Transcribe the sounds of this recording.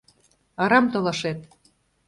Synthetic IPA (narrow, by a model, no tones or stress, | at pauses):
ɑɾɑmt̪olɑʃet̪